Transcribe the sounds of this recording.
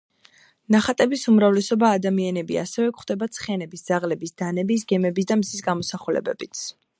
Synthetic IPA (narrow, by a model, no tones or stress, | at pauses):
naχat̪ʼɛbisumɾavlɛsɔbaːd̪amianɛbia̰sɛvɛkχd̪ɛbat̪sʰχɛnɛbisd̪z̥aʁlɛbisd̪̥anɛbis̬ɡɛmɛbisd̪amsisɡamɔsaχulɛ̰bɛbit̪sʰ